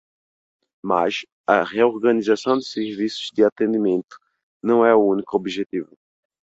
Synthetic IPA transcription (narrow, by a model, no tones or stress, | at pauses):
ma̰ʃ | ɐ̰ʁeoɾɡɐnizasɐ̃w̃d̪ɪseɾvisʊ̥zd̪ɪat̪ẽnd̪imẽnt̪ʊ̥ | nɐ̃w̃ɛuũnikʊobiʒet̪ivʊ